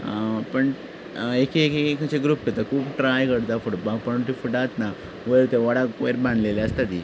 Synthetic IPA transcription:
pəɳ | ekeekeekət͡ɕeɡɾuːp̚kət̪akʰuːpʈɾajkəɽt̪afuʈbãɡpəɳʈ̪ifuʈat̪na | ʋəjɭt̪eʋaɽakeɾbʱãɳɖleleəst̪at̪i

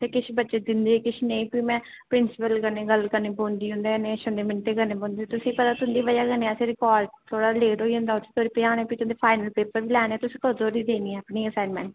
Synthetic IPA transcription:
t̪eːkɪʃʰbətːʃeːd̪ɪnd̪eːkɪʃʰnəĩːpiːmɛ̃ː | pɾɪnsɪpəlkəneːɡəlkəɾneːbõːnd̪iːɦʊ̃nd̪eːneːʃõnd̪eːmɪɳʈeːkəneːbõːnd̪eːeːt̪ʊsĩːpət̪aːt̪ʊ̃nd̪iːʋəjaːkənẽːɛːseɾɪkɔːɖt̪ʰoːɽaːleːʈɦoːiːɦʊ̃nd̪aːʊt͡ʃʰːt̪ʰoːɾiːpeaːnẽːpiːt̪ʊ̃nd̪eːpʰaːɪnəlpeːpəɾʋiːlɛːnɛːt̪ʊsĩːkəzoːɾiːd̪eːniːɛ̃ːəpniːəsaːnmɛ̰̃ːɳʈ

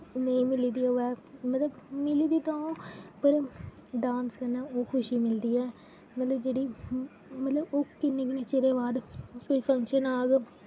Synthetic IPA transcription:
nəĩːmɪliːd̪iːoːɛːmət̪ləbmɪliːd̪iːt̪ãõːpəɾ | ɖãːnskəɾnaːoːkʰʊʃiːmɪld̪iːɛː | mət̪ləbd͡ʒeːɽiː | mət̪ləboːkɪnːẽːkneːt͡ʃeɾeːʋaːd̪koːipʰə̃ŋkʃənaːɡ

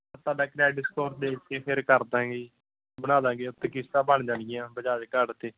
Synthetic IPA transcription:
ɾt̪aːɖaːkɾɛːɖɪskɔːɾd̪eːkeːpʰɪɾkəɾd̪ãːɡeː | bəñãːd̪ãːɡeːʊt̪ːeːkɪst̪ãːbəɳd͡ʒãːnɪjãːbəd͡ʒaːd̪eːkəɖt̪eː

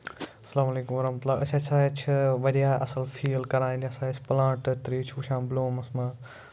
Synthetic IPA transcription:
ɐsɐlaːmɐleːkumʋɐɾɐɦmət̪ulaːʔɐt͡ʃʰat͡ʃʰaːt͡ʃʰiʋɐɾijaːʔɐsɐlfʰiːlkɐɾãːniɐsaːt͡ʃʰplãːʈt̪ɾiːt͡ʃʰuʃãːmbloːmɐsmãː

